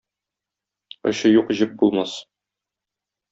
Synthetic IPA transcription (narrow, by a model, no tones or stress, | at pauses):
ŏ̰ɕɤjuqʑɘp̚bulˠmɑs